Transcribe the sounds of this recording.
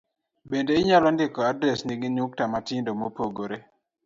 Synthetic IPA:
bendeɪɲalɔndɪkɔadɾɛsniɡɪɲuk̚tamatɪndomopoɡoɾe

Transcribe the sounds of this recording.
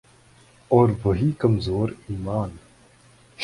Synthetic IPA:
ɔːɾʋɐɦiːkɐmzoːɾiːmaːn | ʃ

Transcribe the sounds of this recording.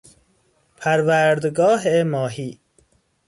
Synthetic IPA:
pʰæɾvæːɾd̪ɡɒːɦemɒːɦiː

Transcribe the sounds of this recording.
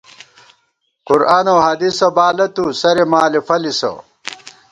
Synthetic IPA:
quɾaːnowɦɐd̪isobaːlɐt̪usɐɾemaːlifɐliso̰

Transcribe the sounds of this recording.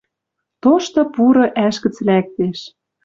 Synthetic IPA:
t̪oʃt̪ɤ̆puɾɤ̆ʔæʃkɘ̆t͡slæk̚t̪eʃ

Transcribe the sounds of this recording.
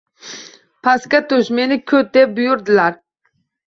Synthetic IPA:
pʰɑskʲɛt̪uʃmenɪkʲʰøt̪̚d̪ɛp̚bujuɾd̪ɨlæɾ

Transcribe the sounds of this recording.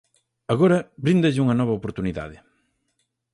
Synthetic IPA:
ɐɣoɾɐbɾind̪ɐʎɪuŋɐnɔβɐopoɾt̪uniða̰ðɪ

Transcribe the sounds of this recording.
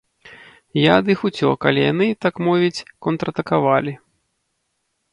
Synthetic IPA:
jad̪ɨxut͡sʲɔ̰ka̰lʲijanɨt̪akmɔvʲit͡sʲkɔnt̪ɾɐt̪ɐkavalʲi

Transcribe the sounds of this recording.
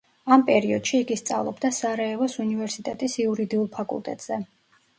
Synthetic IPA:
ampʼɛɾiɔd̪̥ʃiːɡist̪sʼa̰vlˠɔbd̪asaɾɛɛvɔsunivɛɾsit̪ʼɛt̪ʼisiuɾid̪iulˠpʰakʼṵlˠt̪ʼɛ̰t̪ʼz̥ɛ

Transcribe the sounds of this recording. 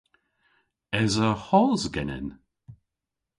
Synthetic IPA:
ɛzəhɔzɡɛnɪ̰n

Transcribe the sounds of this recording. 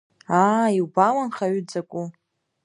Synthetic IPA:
aiwbawanχaɥyd͡zakʷʼu

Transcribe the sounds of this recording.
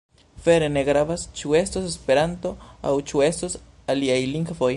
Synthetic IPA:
fe̞ɾene̞ɡɾavast͡ʃue̞stosespe̞ɾanto̞a̰wt͡ʃue̞stos | aliajliŋɡvo̞j

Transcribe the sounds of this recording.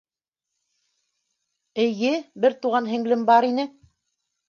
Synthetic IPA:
ɘ̆jɘbɘɾt̪uʁɑnɦɘ̆ŋlɘmbɑɾinɘ

